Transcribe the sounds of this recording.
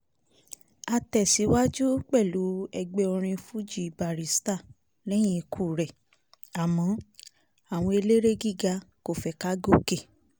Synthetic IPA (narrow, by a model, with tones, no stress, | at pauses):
a˧tɛ˨si˨˦wa˦d͡ʒu˦k͡pɛ˦˨lu˨˦ɛ˧ɡ͡be˧o˧ɾ̃ĩ˧fu˦d͡ʒi˦˨ba˨ɾi˨˦sta˦˨ | lɛ˦j̃ĩ˧kʰu˦˨ɾɛ˨ | a˨mɔ̃˨˦ | a˦˨w̃ɔ̃˧e˧le˦ɾe˦ɡi˦˨ɡa˧ko˦˨fɛ˨ka˦ɡo˦˨ke˦˨